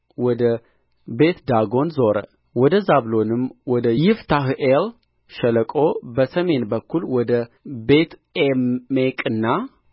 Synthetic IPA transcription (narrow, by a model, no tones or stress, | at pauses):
wɔd̪ə | be̞t̪d̪aɡo̞nzoɾə̰ | wɔd̪əzaβlo̞nɨmwɔd̪əjɪft̪ʰaɦʔel | ʃələkʼo̞bəsəme̞nbəkʰːulwɔd̪əbe̞t̪emːekʼɨnːa